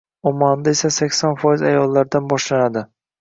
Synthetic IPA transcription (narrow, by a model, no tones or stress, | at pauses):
ɒmand̪ae̞sasakʲsɒnfɒjɪzajɒlˠːaɾd̪anbɒʃlanad̪ɪ